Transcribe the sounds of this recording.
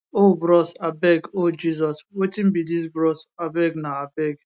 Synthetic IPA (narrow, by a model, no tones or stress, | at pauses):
obɾɔsabɛɡod͡ʒizɔswetim̩bidis̬bɾɔsabɛɡnaabɛɡ